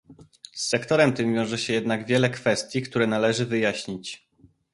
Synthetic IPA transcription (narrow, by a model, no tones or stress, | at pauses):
sːɛkt̪ɔɾɛmt̪ɘmvʲjɔ̃w̃ʐɛɕɛjɛd̪naɡvʲjɛlɛkfɛst̪ʲjikt̪uɾɛnalɛʐɘvɘjaɕɲit͡ɕ